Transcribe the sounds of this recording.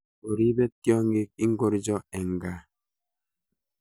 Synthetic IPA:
o˨ɾi˦bɛ˦kjɔ˦ŋ˦ɡe˦k̚i˦ŋ̩˦ɡo˦ɾi˦d͡ʒɔ˦ɛ˨ŋ˨ɡa˦

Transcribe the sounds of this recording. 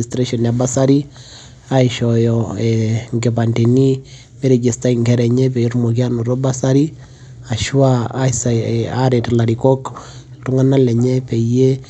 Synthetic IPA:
istɾe˦ʃɔnja˨ba˦sa˦ɾi˦ | a˦iʃɔjɔ˨ɛ˨ŋɡe˨pante˨ni˦ | me˦ɾe˨d͡ʒe˨sta˦iŋɡɛɾɛ˨ɲɛ˦pɛ˨jɔ˦ɾmo˨k̬i˦ano˨ɾo˦ba˦sa˦ɾi˦ | a˨ʃwa˦asaaɾetla˨ɾiko˦k | tu˦ŋa˦na˦lɛ˨ɲɛ˦pɛ˨je˦

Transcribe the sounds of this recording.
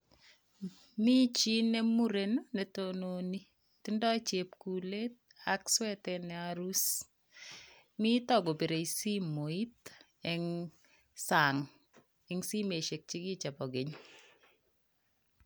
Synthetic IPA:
mi˦t͡ʃi˦ne˦mu˦ɾe˨no˦nɛ˨tononi˦ | tɪ˦ndɔ˦t͡ʃe˨pku˨le˦t̚ | a˦kswɛ˦tɛnɛ˨a˦ɾu˦s | mi˦tɔ˦ɡo˨bi˨ɾe˨isi˦mo˨i˦t | ɛ˨ŋ | sa˨ŋ | ɛŋsi˦me˨ʃe˨k̚t͡ʃi˦ɡi˦t͡ʃa˨pɔ˨ɡe˨ɲ

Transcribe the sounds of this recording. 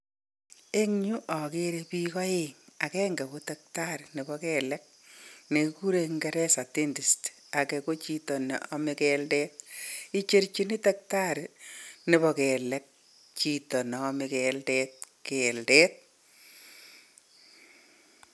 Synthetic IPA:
e˦ŋɲu˦ʔɔ˨ke˦ɾe˦pi˦kɔ˦eŋa˨kɛː˦ŋɡɛ˨ko˦ta˦k̚ta˦ɾne˨bɔ˦kɛ˨lɛk̚ | ne˨ku˦ɾeŋɡɛ˦ɾɛ˦sa˨ti˦ndi˨st | a˨kɛ˨ko˦t͡ʃi˦tɔ˨nḛɔ˨mi˨kɛldɛt̚i˦t͡ʃe˦ɾt͡ʃi˦ni˦tak̚ta˦ɾne˨bɔ˨kɛ˨lɛ˦k̚ | t͡ʃi˨tɔ˨nɔː˨˦mikɛldɛt̚kɛ˨ldɛ˦t̚

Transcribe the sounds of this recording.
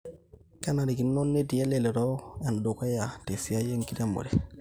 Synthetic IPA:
ka˦na˨ɾi˨ki˨nːo˦nːe˦ti˨je˦le˨lɛ˨ɾɔ˦a˨ndo˨ka˦ja˨te˨si˨ja˦je˦ŋki˦ta˦mbo̰˨ɾɛ

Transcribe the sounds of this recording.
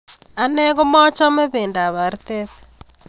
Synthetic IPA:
a˨nɛ˦ɣo˦mɔ˦t͡ʃɔ˦me˦βe˨nda˨βa˨ɾtɛ˦β

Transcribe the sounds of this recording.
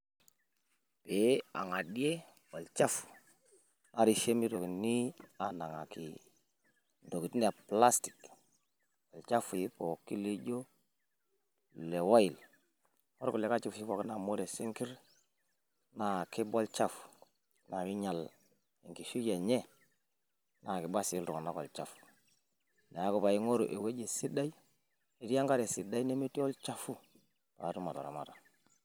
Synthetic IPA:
pe˨a̰˨ŋa˨di˦e˦bo˨lt͡ʃa˦f | na˨ɾi˨ʃe˦mi˦ɾo˨ki˨ni˦a˨na˨ŋa˨ki˨ | do˨ki˨tni˦a˨pla˦sti̥˨k | wo˨lt͡ʃa˦fu˨ji˦po˨kːi˦li˦ɟo˦˨ | le˨wa˦ji˨l | wo˦ɾku˨le˨ka˦t͡ʃi˦fʃi˦fo˨kna˨mo˦ɾe˨se˦ŋki˦ɾ | na˨ki˦bo˦lt͡ʃa˦fu̥ | na˨wi˦ɲa˨l | e˨ŋki˨ʃu˦ja˨ɲe˦ | na˨ki˨ba˦si˦ltu˨ŋo˨na˦ko̰˨lt͡ʃa˨fu̥˨ | ne˨a˦ku˨pa˨ji˦ŋo˦ɾṵ˨ʔḛ˨we˦ɟe˨si˦da˦i˦ | e˨di˦a˦ŋɡa˦ɾe˨si˨da˦i˦ne˦me˦ti˦o˦lt͡ʃa˦fu˦ | pa̰˨ɾu˦ma˨to̰˨ɾa̰˨ma̰˨ɾa˨

